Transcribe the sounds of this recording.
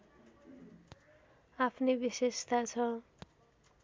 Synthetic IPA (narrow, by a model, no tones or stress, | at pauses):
apʰnebisest̪at͡sʰʌ